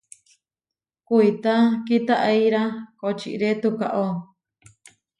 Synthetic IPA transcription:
kuit̪akit̪aʔeiɾakot͡ʃḭʔɾet̪uka̰ʔo

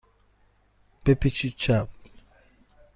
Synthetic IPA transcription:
pepit͡ʃit͡ʃap̚

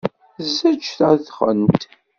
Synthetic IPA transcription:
zːæt͡ʃːθæðχə̰nt̪

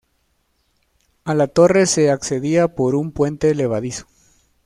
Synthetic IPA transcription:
alat̪o̞re̞se̞akse̞ðiapo̞ɾumpwe̞nt̪e̞le̞β̞aðiso̥

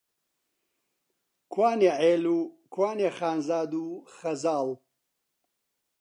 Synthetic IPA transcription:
kʰwaːneʕeːluːkʰwaːneːxaːnzaːd̪uːxɐzaːl

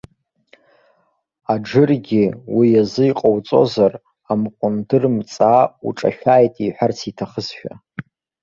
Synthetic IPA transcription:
aɖ͡ʐɨrɡʲiwijazɨjqʼowt͡sʼo̞zar | amqʷʼʊndɨrmt͡sʼaṵʈ͡ʂʼa̰ʃᶣaːjtʼiħʷart͡sʰitʰaχəzʃᶣa̰

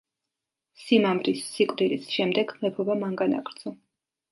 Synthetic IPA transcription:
simamɾisːikʼvd̪ilisʃɛmd̪ɛɡmɛpʰɔbamaŋɡana̰kɾd̪zʰɔ

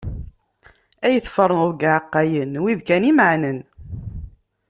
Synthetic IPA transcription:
æjəθfəɾˤnəðˤɡaʕqːæjənwiðkænimʕnən

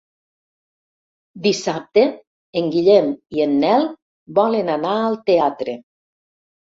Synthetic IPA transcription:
d̪isap̚t̪e | eŋɡiʎɛmienːɛl | bɔlenanaəlˠt̪eat̪ɾe

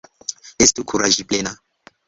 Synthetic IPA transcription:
ɛstukʰuɾaʒipʼlɛna

